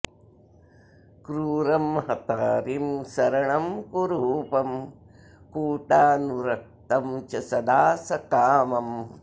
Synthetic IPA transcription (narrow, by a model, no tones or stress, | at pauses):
kɾuːɾɐmhɐt̪aːɾimsɐɾɐɳɐmkuɾuːpɐm | kuːʈaːnuɾɐk̚t̪ɐmt͡ʃɐsɐd̪aːsɐkaːmɐm